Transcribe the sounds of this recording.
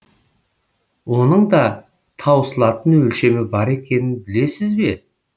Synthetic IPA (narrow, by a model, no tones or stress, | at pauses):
wo̞nəɴd̪ɑ | t̪ʰɑwəsəlˠɑt̪ənwɵlʃe̞mɪbɑɾe̞kʲe̞nɪnbɪle̞sɪzbe̞